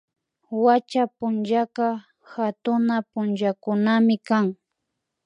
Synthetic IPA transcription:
wat͡ʃapʊnʒaka | hat̪ʊnapʊnd͡ʒakʊnamɪkaŋ

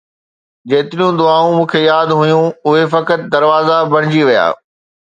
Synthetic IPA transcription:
d͡ʑeːt̪ɪɾijũd̪ʊaːũmũːkʰejaːd̪ɦʊjũʊɦefɐkət̪̚d̪ɐɾʋaːzabɐɽ̃ɪd͡ʑiʋija̰ː

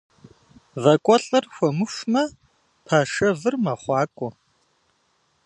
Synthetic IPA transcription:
vɐkʷʼɔɬʼɐrxʷɔmɨʂʷmɐ | pʰaːʂɐvɨrmɐχʷɑːkʷʼɔ

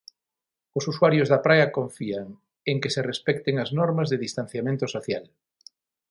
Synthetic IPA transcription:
ʊsuswaɾjozðɐpɾajɐkoɱfiaŋ | eŋkeserespɛk̚t̪eŋɐznɔɾmɐzðeðist̪an̟θjamẽnt̪osoθjal

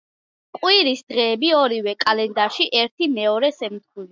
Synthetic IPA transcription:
kʼwiɾisd̪̥ʁɛːbiɔɾiwɛkʼalɛnd̪aɾʃiʔɛɾt̪ʰimɛɔɾɛsɛmt̪̚χʰuli

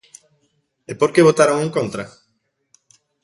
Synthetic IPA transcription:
epoɾkeβot̪aɾoŋũŋkõnt̪ɾa

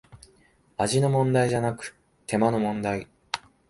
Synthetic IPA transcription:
aʑino̞mõ̞nd̪aiʑanakɯ̟̥ | t̪ʰe̞mano̞mõ̞nd̪ai

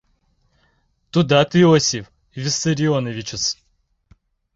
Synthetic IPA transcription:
t̪ʊd̪at̪ɨosʲɪf | vʲɪst̪ɨɾʲɪonəvʲɪt͡ɕɪs

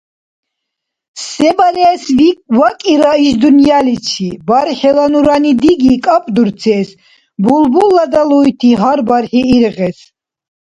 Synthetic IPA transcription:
sɛbaɾɛːsvivakʼiɾaiʃd̪unjalit͡ʃʰibaɾχɛlanuɾanid̪iɡikʼapʼd̪uɾt͡s̪ʰɛːs | bulbulːad̪aluit̪ʰiɦaɾbaɾħiːɾʁɛs

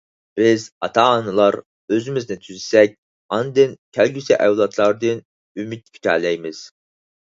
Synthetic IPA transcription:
b̥ɪzɑt̪ʰɑːnɨlˠɑɾ | øzymɪznɪt̪ʰyzɪsɛk̚ʲ | ɑnd̪ɨnkʲʰælɡʲysɛʔæwlˠɑt̪ʰlˠɑɾd̪ɨn | ymyt̪̚pʲʰy̥t̪ʲʰæ̰ːlɛjmɪz̥

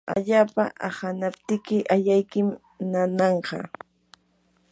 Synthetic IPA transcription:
a̰ʎaːpa̰ʔahanapt̪ɪkɪʔaʎajkɪm | nanɑɴɢɑ̰

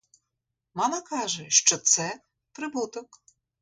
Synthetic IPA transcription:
mɑmɐkɑʒɛʃt͡ʃɔt̪sɛ | pɾɪbut̪ɔk

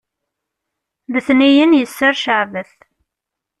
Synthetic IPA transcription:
ðəθnijənjəsːəɾʃəʕvəθ

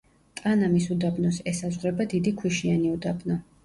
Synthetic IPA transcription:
t̪ʼanamisud̪abnɔsɛsazʁɾɛbad̪id̪ikʰwiʃianiud̪abnɔ

